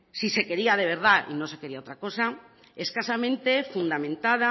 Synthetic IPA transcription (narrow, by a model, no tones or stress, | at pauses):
sisekeɾiað̞eβ̞eɾð̞aʔḭnõnsekeɾiaot̪ɾakosa | eskasamẽnt̪efund̪amẽnt̪að̞a